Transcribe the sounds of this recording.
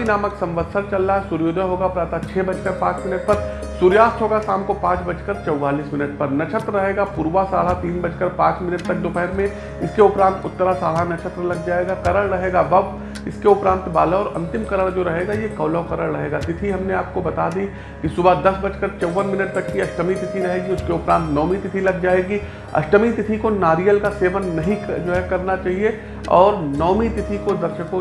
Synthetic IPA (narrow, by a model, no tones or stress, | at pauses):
inaːməksɐ̃mʋəd̪səɾt͡ʃɐlːaɦɛsʊɾjoːd̪ʱəɦoːɡapɾaːt̪at͡ʃʰɛːbɐt͡ʃkɐɾpãːt͡ʃmɪnəʈ̚pɐɾ | suɾjaːst̪ɦoːɡasaːmkopãːt͡ʃbɐt͡ʃkəɾt͡ʃɐwːaːliːsmɪnəʈpɐɾnɐʃʰət̪ɾəːɐɦeːɡapuːɾʋasa̰ːl̤at̪iːnbɐt͡ʃkɐɾpãːt͡ʃmɪnəʈ̚t̪ɐk̚d̪opɛɦɾmẽ | ɪskeʊpɾãːnt̪ʊt̪ːəɾasaːlɦanɐt͡ʃʰət̪ɾlɐɡd͡ʒaːeːɡakɐɾəɭɾɐɦeːɡaʋɐb | ɪskeʊpɾãːnt̪baːlaɔːɾɐ̰̃nt̪ɪmkɐɾəɽd͡ʒoːɾɐɦeːɡajekɐːlakɐɾəɭɾɐɦeːɡat̪ɪt̪ʰiɦɐmneaːp̚kobɐt̪ad̪i | kisʊbad̪ɐsbɐt͡ʃkəɾt͡ʃɐʋːənmɪnəʈ̚t̪ɐkːiɐʃʈəmit̪ɪt̪ʰiɾɐɦeːɡiʊskeʊpɾãːnt̪nɔːmit̪ɪt̪ʰilɐɡ̚d͡ʒaːeːɡi | ɐ̰ʃʈəmit̪ɪt̪ʰikonaːɾijəlkaseːʋənːɐɦĩd͡ʒoːɦɛkɐɾnat͡ʃaːɦie | ɔːɾnɔːmit̪ɪt̪ʰikod̪ɐɾʃəko